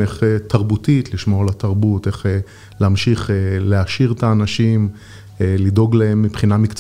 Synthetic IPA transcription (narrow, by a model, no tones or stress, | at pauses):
eχet̪ʰaʁbutit̪liʃmo̞ʁlataʁbute̞χ | leamʃiχeleaʃiʁet̪aːnaʃim | lido̞ɡlaemːipχinamikt͡s